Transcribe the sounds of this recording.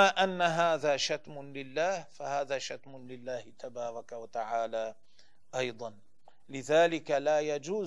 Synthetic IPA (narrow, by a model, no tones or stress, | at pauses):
aːʔanːaɦaːðaːʃat̪mʊlɪlːaːhfahaːðaːʃat̪mʊnlɪlːaːhɪt̪ʰabɑːɾˤɑkawat̪aʕaːlaː | ʔɑjd̪ˤɑn | lɪðaːlɪkalaːjad͡ʒuː